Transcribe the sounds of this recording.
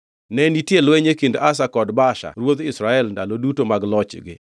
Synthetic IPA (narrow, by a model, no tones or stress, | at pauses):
nɛnitjelweɲekindas̬akɔdbaʃa̰ɾwod̪ɪsɾaɛlndalodutomaɡlɔt͡ʃɡɪ̰